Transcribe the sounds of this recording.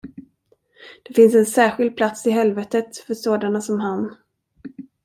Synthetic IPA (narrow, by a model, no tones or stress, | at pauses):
d̪̥ɛfɪnsɛnsæːɧɪld̪̚pʰlat̪sɪɦɛlvɛt̪ət̪fœʂoːd̪anasɔmɦan